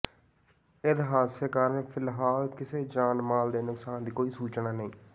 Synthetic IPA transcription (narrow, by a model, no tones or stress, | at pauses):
ɪt̪ɦaːseːkaːɾənpʰɪlɦaːlkɪseːd͡ʒaːnmaːld̪eːnʊksaːnd̪iːkoːiːsuːt͡ʃnaːnəĩː